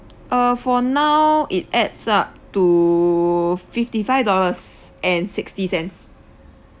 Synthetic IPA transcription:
ʔəfɔnawʔit̚ɛdsap̚tu | fiftifaɪvdɔləsʔɛ̃nsɪkstisɛ̃nts

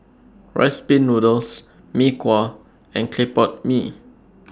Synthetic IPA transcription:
ɹʔa̰ɪspĩnːudəls | mikʰwa | ɛ̃nkʰlepɔt̚mi

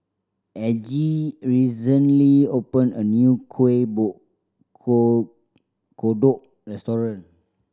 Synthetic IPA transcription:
ʔɛd͡ʒiɹisə̃nliopə̃nənjukʰwebuʔ | kodɔʔ̚ | ɹɛstɔɹə̃n

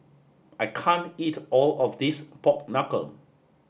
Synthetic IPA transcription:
aɪkʰãntitɔlɔfdispɔk̚nakə̰l

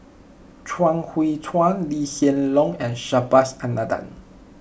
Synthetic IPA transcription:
t͡ʃʰwãŋhwit͡sʰwãnlihɛnlɔ̃ŋɛ̃nʃabasãnːadã̰n

